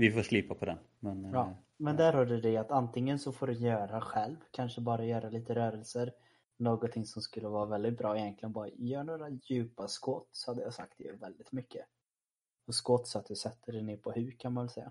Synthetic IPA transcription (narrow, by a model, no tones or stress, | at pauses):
vɪfoːʂliːpapʰɔd̪ɛ̰n | mɛnjɑː | mɛnd̪æɾhɔɖɛd̪ɛat̪ant̪ɪŋːənsɔfoːɖɵjœːɾaɧɛlvkʰanʂəbɑːɾajœːɾaliːt̪əɾœːɾəlsəɾ | noːɡɔt̪t̪ʰːɪŋsɔmskɵlːəvɑːɾavɛld̪ɪt̪̚bɾɑːɪjɛnklɪɡənbɑːɾa̰jœːɳoːɾajʉ̟ːpaskoːt̪sɔ̥had̪ːəjɑsa̰k̚t̪d̪ɛjœ̰ɾvɛld̪ɪt̪mʏkʰːə | ɔskɔːt̪ːsɔat̪̚d̪ɵsɛt̪ʰːəɖɛneːɾpʰɔhʉ̟ːkʰanmanvɛlsɛjːa̰